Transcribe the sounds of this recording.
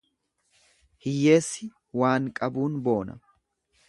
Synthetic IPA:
hɪjːe̞ːsːɪ | waːŋkʼɐbuːnbo̞ːnɐ̰

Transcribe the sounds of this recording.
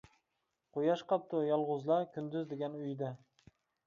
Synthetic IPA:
qʰojɑʃqɑp̚t̪ʰʊjɒlˠʁʊzlˠaɾkʲʰʊnd̪ʊzd̪eɡʲanʊjd̪a

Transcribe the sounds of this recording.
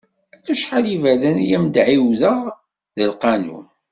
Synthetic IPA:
æθuʃħalivæðænjæmd̪ʕiwðəʁ | ðəlqɑnṵn

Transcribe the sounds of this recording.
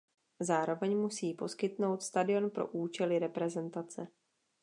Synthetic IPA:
zaːɾo̞vɛɲmusiːpo̞skɪt̪no̞wt̪st̪adɪo̞npɾo̞̰ʔuːt͡ʃɛlɪɾɛpɾɛzɛnt̪at͡sɛ

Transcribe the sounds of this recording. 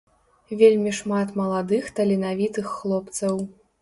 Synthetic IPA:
vʲelʲmʲiʂmat̪mɐlˠad̪ɨxt̪ɐlʲinavʲit̪ɨxːlˠɔp̚t̪sɐw

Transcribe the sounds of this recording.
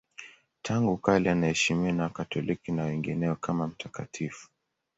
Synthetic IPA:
tʰaŋɡukalianaɛʃimianakatɔlikinawɛŋɡinɛɔkʰamam̩tʰakatʰifu̥

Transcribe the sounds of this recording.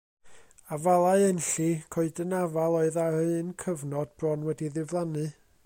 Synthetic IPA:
avalˠaɨɛnɬikʰoɨdənavalˠoɨðaɾɨːnkʰəvnɔd̚b̥rɔnwɛdiðɪvlˠanɨ

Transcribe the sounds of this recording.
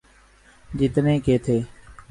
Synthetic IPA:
d͡ʒɪt̪nẽːkeːt̪ʰeː

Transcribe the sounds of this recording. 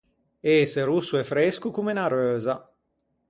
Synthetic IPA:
eːseɾusːuɛfɾeskukumenaɾøːza

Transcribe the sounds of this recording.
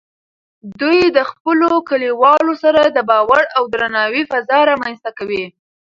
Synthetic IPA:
d̪ujd̪əxpəlokəliwɑlosaɾad̪əbɑwaɽawd̪ɾanɑwifazɑɾɑmanst̪akawi

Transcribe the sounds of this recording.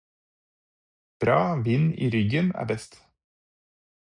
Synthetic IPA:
b̥ɾɑːʋinḭːɾʏɡənæ̰ːɾbɛst̪

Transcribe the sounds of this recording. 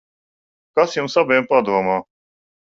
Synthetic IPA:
kasjumsabɛjmpad̪uɔmaː

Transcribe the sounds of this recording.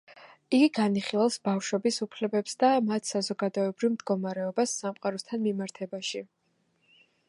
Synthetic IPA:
iɡiɡaniχilˠalˠsbafʃwɛbisupʰlɛbɛpsd̪amat̪ʰsazɔɡad̪ɔɛbɾivmd̪ɡɔmaɾɛɔbasːamqʼaɾɔst̪ʰanmimaɾt̪ʰɛbaʃi

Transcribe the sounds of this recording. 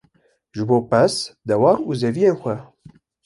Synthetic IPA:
ʒɨboːpɛsd̪ɛwɑːɾuːzɛvijeːnxʷɛ

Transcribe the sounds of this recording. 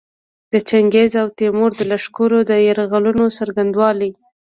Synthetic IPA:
d̪̥ət͡ʃaŋɡezawt̪emoɾd̪əlaʂkoɾod̪əjaɾɣalunosaɾɡand̪wɑli

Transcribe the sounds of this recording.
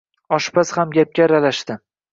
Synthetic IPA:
ɒʃpʰashamɡʲap̚kʲaɾalaʃt̪ɪ

